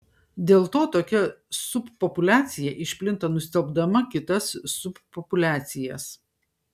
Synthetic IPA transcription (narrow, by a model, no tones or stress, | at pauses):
d̪ʲeːlˠt̪oːt̪oːkʲɛsʊpːɔpʊlʲæːt̪sʲɪjɛʔɪʃʲpʲlʲɪnt̪ɐnʊsʲt̪ʲɛlˠbd̪ɐmɐkʲɪt̪ɐsːʊpːɔpʊlʲæːt̪sʲɪjɛs